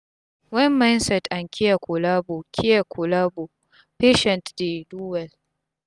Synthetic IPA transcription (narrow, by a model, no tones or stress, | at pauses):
wɛmːajnsɛtʔaŋkʲɪjakʷʊlaːbokʲʰɪjakʰʷʊlaːbo | peːʃɛntdeduːwɛl